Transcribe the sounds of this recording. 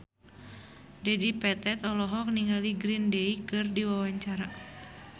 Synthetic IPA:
dɛdipɛt̪ɛt̪ɔlɔɦɔk̚niŋɡaliɡɾindɛikɨrdiwawaɲt͡ʃaɾa

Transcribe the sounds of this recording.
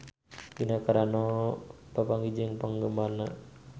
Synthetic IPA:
inakaɾanɔpapaŋɡid͡ʒɪŋpaŋɡəmbana

